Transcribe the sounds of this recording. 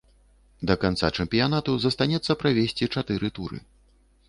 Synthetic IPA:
d̪ɐkant̪sat͡ʂɛmpʲijanat̪uzɐst̪anʲɛt̪sːɐpɾavʲesʲt͡sʲit͡ʂat̪ɨɾɨt̪uɾɨ̰

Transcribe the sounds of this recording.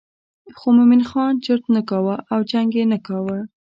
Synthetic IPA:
xomʊminxɑnt͡ʃəɾt̪nakɑwəʔawd͡ʒaŋɡenakɑwə

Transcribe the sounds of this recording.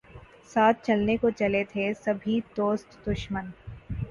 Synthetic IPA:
saːt̪̚ʰt͡ʃɐlnekot͡ʃɐlet̪ʰesɐbʱid̪oːst̪d̪ʊʃmən

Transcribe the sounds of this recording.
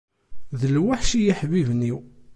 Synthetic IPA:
ðəlwaħʃijiħvivniw

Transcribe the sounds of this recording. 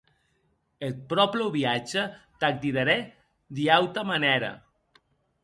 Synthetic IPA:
et̪̚pɾɔpləβiad͡ʒət̪ak̚t̪iðaɾe | d̪iawt̪amaneɾa̰

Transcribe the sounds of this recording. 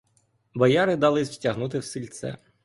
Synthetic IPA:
bɐjɑɾɪd̪ɑlˠɪzwʲtʲɐɦnut̪̬ɪwsilʲt̪sɛ̰

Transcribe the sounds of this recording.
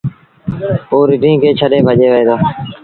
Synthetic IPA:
oːɾɪɖʱĩːkʰeːt͡ʃʰəɗeːbʱəʄeːʋəeːd̪aː

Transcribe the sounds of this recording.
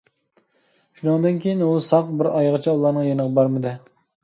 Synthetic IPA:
ʃunɨŋd̪ɨnkʲʰejinusɑqbɪɾɑjʁət͡ʃʰɑulˠɑɾnɨŋjenəʁɑbɑɾmɨd̪ɨ

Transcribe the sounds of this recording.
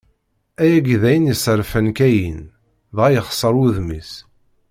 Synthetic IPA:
æjæɡðæjənjəsəɾfənkæjin | ðʁæjəχsˤəɾˤuðmis

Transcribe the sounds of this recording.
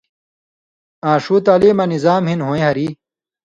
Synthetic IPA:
ãːʂuːt̪aːlimɐnizaːmhinɦõːẽɦɐɾiː

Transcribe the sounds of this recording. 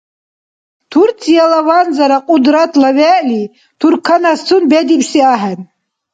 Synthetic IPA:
tʰurt͡sʰʼijalawand͡zaɾaqʼʊdratʰlaɥɛʔli | tʰurkʰanastʰunbedipʰsiaħan

